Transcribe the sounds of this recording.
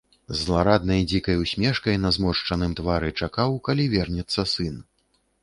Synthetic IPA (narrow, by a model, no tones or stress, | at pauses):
zːlˠaɾad̪nɐjd͡zʲikɐjwsʲmʲɛʂkɐjnɐzmɔʂt͡ʂɐnɨmt̪vaɾɨt͡ʂakawkalʲivʲɛrnʲɛt̪sːɐsɨn